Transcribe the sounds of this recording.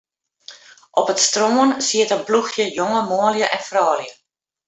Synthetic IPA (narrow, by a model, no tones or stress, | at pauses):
ʔɔpətstroːənsiətət̚bluxjəjoŋəmoəljəʔɛnfrɔːljə